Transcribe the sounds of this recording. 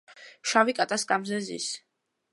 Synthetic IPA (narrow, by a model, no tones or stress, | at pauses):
ʃavikʼat̪ʼaskʼamzɛzḭs